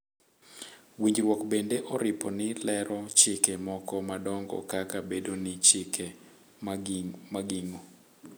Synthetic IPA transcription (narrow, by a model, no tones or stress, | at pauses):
wiɲd͡ʒɾwɔkbendeʔɔɾɪpɔnɪlɛɾɔt͡ʃɪkemɔkɔmadɔŋɡɔ̰kakabedonɪt͡ʃɪkʰe | maɡɪŋo